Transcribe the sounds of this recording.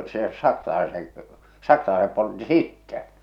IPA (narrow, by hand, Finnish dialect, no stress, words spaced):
se sɑksɑlɑeseŋ sɑksɑlɑesep poltːi sitːɛ